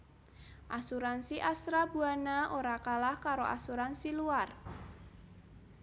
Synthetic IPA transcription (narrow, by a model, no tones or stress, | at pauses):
ʔasuɾansiʔast̪ɾabuanaʔoɾakalahkaɾoʔa̰suɾansiluar